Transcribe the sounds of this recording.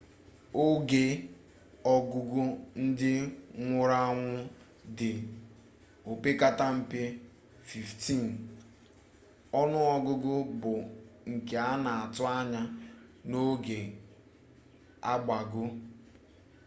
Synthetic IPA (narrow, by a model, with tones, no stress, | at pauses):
o˦ɡe˦ | ɔ˦ɡʊ˦ɡʊ˦n̩˦dɪ˦ŋʷʊ˦ɾa˦ŋʷʊ˦ | dɪ˨ | o˨pe˦ka˦ta˦m̩˦pe˦ | fi˨fti˦˨n˨ | ɔ˦nʊ˦ɔ˨ɡʊ˦ɡʊ˦bʊ˨ŋ̩˨ke˨a˦na˨a˨tʊ˦a˦ɲa˦no˦ɡe˨ | a˦ɡ͡ba˨ɡʊ˦